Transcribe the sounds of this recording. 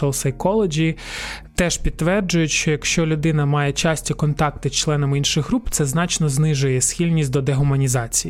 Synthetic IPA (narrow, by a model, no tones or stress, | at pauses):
ɔlˠsɐjkɔlˠed͡ʒʲit̪ɛʃpʲid̪ʋɛrd͡ʒʊjʊtʲʃt͡ʃɔjɐkʃt͡ʃɔlʲʊd̪ɪnɐmɑjɛt͡ʃɑsʲtʲikɔnt̪ɑk̚t̪ɪst͡ʃlˠɛnɐminʃɪxɦɾupt̪sɛznɑt͡ʃnɔznɪʒʊjɛsxʲilʲnʲis̚ʲd̪ɔd̪eɦʊmɐnʲizɑt͡sʲij